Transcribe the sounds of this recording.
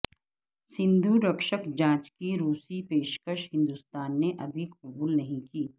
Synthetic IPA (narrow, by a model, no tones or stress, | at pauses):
sɪ̃nd̪ʱuɾəkʃəkd͡ʒãːt͡ʃkiɾuːsipeːʃkəʃɦɪ̃nd̪ust̪aːnːeʔɐbʱikɐbuːlnɐɦĩkiː